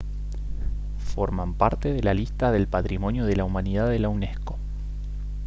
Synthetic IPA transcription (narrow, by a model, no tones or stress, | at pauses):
fo̞̰ɾmampaɾt̪eðelalist̪aðe̞lpat̪ɾimo̞njoð̞elaumaniðaðelawnesko̥